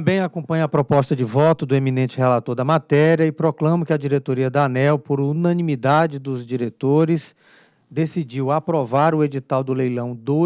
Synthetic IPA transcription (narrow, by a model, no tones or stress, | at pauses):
tɐ̃mbẽj̃akõmpɐ̃ɲʊɐpɾɔpɔst̪ɐd͡ʒɪvɔt̪ʊd̪ʊeminẽnt͡ʃɪhɛlat̪oɾd̪ɐmat̪ɛɾiɐɪpɾɔklɐ̃mʊkɪɐd͡ʒiɾet̪oɾiɐd̪anɛwpoɾunɐ̃nĩmid̪ad͡ʒɪd̪ʊzd͡ʒiɾet̪oɾɪs | d̪esid͡ʒiwapɾɔvaɾʊed͡ʒit̪awd̪ʊlejlɐ̃w̃d̪o